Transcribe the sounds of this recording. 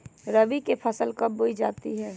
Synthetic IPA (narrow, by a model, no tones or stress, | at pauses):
ɾəbikepʰəsəlkɐbboːid͡ʒaːt̪iɦɛː